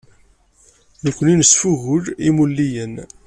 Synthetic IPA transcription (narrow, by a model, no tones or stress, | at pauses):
nəkʷːəninəsfuɣʊlimulːijən